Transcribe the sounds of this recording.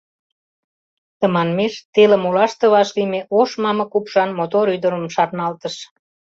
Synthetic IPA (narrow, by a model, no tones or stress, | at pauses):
t̪ə̆mɑnmeʃt̪elə̆mulɑʃt̪ə̆βɑʃlimeʔoʃmɑmɤ̆kupʃɑnmot̪oɾyd̪ə̆ɾə̆mʃɑrnɑlt̪əʃ